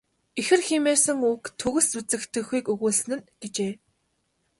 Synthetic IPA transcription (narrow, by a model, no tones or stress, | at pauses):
exɘ̆rximeːrsɘ̆ŋukt̪ʰɵɣɘ̆sut͡sɘ̆kt̪ʰɘ̆xuːkɵɣuːɮsɘ̆nɘ̆nɡ̥et͡ɕeː